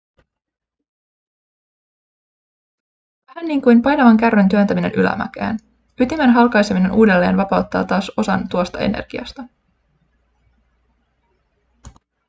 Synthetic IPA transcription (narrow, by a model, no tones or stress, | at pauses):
hænːiːŋkujmpɑjnɑʋɑŋkærʋent̪yønt̪æmine̞̰nʔylæ̰mæ̰kæ̰ːn | yt̪imenɦɑlkɑjsemine̞nʔuːde̞lːe̞ːnʋɑpɑwt̪ːɑ̰ːt̪ɑːso̞sɑ̰nt̪uost̪ɑe̞̰nḛrɡ̥iɑ̰st̪ɑ